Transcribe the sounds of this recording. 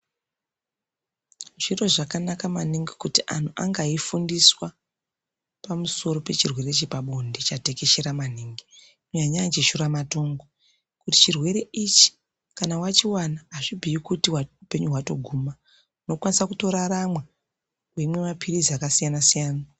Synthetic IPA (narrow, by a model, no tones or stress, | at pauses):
ʐiro̞ʐakanakamaniŋɡikutiʔa̰n̤uʔa̰ŋɡaifundiswa | pamuso̞ɾo̞pe̞t͡ʃirwe̞ɾe̞t͡ʃepaɓo̞ndet͡ʃate̞ke̞ʃe̞ɾaman̤iːŋɡi | kuɲaɲat͡ʃeʃuɾamato̞ːŋɡo | kuti̥t͡ʃirwe̞ɾe̞it͡ʃi̥ | kanawat͡ʃiwanaɦːʐibʱiikutiwaupe̞ɲuɦwato̞̰ɡʱuːma | uno̞kwanisakuto̞ɾaramwa | we̞mwe̞mapʰiriziakasijanasijaːna